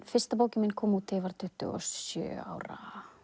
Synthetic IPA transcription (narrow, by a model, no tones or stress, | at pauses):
fɪr̥st̪ap̬oːwcɪmɪnkʰɔːmut̪ʰːɪvaɾ̥t̪ʰʏht̪ʏ̰ɔ̰sjœ̰ːa̰ːwɾa̰